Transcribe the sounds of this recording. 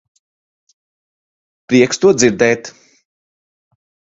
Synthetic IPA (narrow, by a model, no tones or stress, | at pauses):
pɾiɛkst̪uɔd̪ziɾd̪ɛːt̪